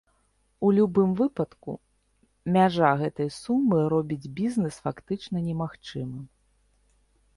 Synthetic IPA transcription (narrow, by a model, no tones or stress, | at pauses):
ulʲubɨmvɨpɐt̪kṵ | mʲaʐaɣɛt̪ɐjsumːɨɾɔbʲid͡zʲbʲiznɛsfakt̪ɨt͡ʂnɐnʲɛmaxt͡ʂɨmɨ